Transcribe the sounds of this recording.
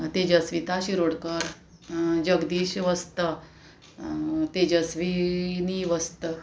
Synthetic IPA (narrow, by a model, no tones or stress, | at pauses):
t̪ed͡ʑəsʋit̪aɕiɾoɽkəɾ | d͡ʑəɡd̪iːɕʋəst̪ə | t̪ed͡ʑəsʋiniʋəst̪ə